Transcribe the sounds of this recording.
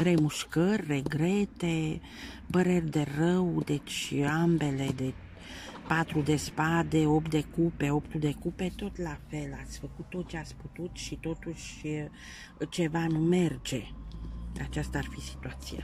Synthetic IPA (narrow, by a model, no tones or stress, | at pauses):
re̞muʃkərʲre̞ɡɾet̪e | pəɾe̞rʲd̪e̞rəwd̪e̞t͡ʃʲambe̞le̞d̪e̞ | pat̪ɾud̪e̞spad̪e̞o̞pt̪̚d̪e̞kupe̞o̞pt̪ud̪e̞kupe̞t̪o̞t̪lafelat̪sʲfəkut̪ːot̪̚t͡ʃeat̪sʲput̪ut̪ʃit̪o̞t̪uʃ | t͡ʃe̞vanume̞rd͡ʒe̞ | a̰t͡ʃast̪aarfisi̥t̪uat̪sia̰